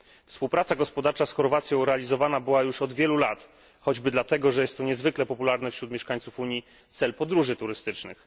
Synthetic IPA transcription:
fspuwpɾat̪saɡɔspɔd̪aɾt͡ʂasxɔɾvat̪sʲjɔ̃w̃ɾɛalʲizɔvanabɘwajuʂɔd̪vʲjɛlulat̪ | xɔd͡ʑbɘd̪lat̪ɛɡɔʐɛjɛst̪ːɔɲɛzvɘklɛpɔpulaɾnɛfɕɾut̪mjɛʂkaɲt̪sufuɲji | t̪sɛlpɔd̪ɾuʐɘt̪uɾɘst̪ɘt͡ʂnɘ̰x

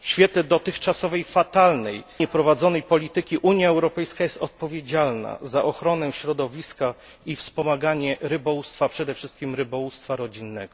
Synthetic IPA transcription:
ɕfʲjɛt̪lɛd̪ɔt̪ɘxt͡ʂasɔvɛjfat̪alnɛjɲɛpɾɔvad̪zɔnɛjpɔlʲit̪ɘkʲiʔuɲjaɛwɾɔpɛjskajɛst̪ɔt̪̚pɔvʲjed͡ʑalna̰zaʔɔxɾɔnɛɕɾɔd̪ɔvʲiska | ifspɔmaɡaɲɛɾɘbɔwust̪fapʂɛd̪ɛfʂɘst̪̚kʲimɾɘbɔwust̪faɾɔd͡ʑinːɛɡ̥ɔ

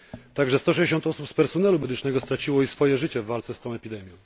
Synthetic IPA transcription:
t̪aɡʐɛst̪ɔʂ̬ɛjd͡ʑeɕ̬ɔnt̪ɔsupspɛɾsɔnɛlumɛd̪ɘt͡ʂnɛɡɔst̪ɾat͡ɕiwɔisfɔjɛʐɘt͡ɕɛvːalt̪sɛst̪ɔ̃w̃ɛpʲid̪ɛmʲjɔ̃w̃

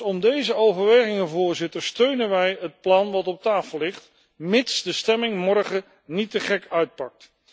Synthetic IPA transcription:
ɔmdejzəowvəɹʋejχɪŋəvʊːɹzɪtəɹstøɥnənʋɛjɦət̚plɑnʋɑtɔp̚taːfəlˠlɪχt | mɪtsdəstɛmɪŋmɔɹχə | nitəχɛkœɥt̚pɑk̚t

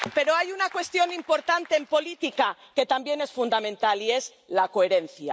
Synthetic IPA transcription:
pe̞ɾo̞ajunakwe̞st̪jo̞nimpo̞ɾt̪ant̪e̞ːmpo̞lit̪ikake̞t̪ambje̞ne̞sfund̪amẽnt̪alie̞z | lako̞eɾe̞n̟θja̰

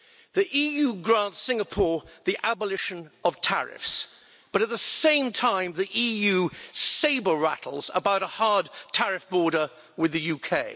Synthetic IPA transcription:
ðiʔijʉɡɹæ̃ntsɪ̃ŋəpʰɔɹðiʔæbəlɪʃɨ̃nəv̥tʰæ̰ɹɪ̰fs | b̥ʌɾɨt̪̚ðəsẽɪ̃mtʰãɪ̃mðiʔijʉseɪbə˞ɹæɾˡl̩ˠzə̰baʊɾəhɑɹd̚tʰæɹɨfb̥ɔɹɾə˞ | wɨðɨjʉkʰeɪ

